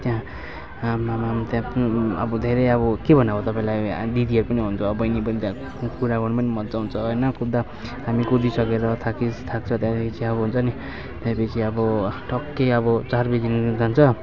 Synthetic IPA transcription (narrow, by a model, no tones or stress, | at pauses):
t̪jã | mamamt̪jãʌbʌd̪ʱeɾʌjʌbʌkebʱʌnabot̪ʌpaĩlajd̪id̪iʌɾpʌniɦunt͡sʰuʌbʌjnipʌnit̪ã | kuɾaɡʌnpʌnimʌnt͡sawunt͡sʰʌɦʌjnʌkud̪a | ɦamikud̪isʌkeɾʌt̪ʰakist̪ʰak̚t͡sʰʌt̪jãd̪ekʰit͡sʰiʌbʌɦunt͡sʰʌni | t̪jãpʌit͡sʰiʌbʌʈʌkːeʌbʌt͡sarbed̪inid͡z̪ʱant͡sʰʌ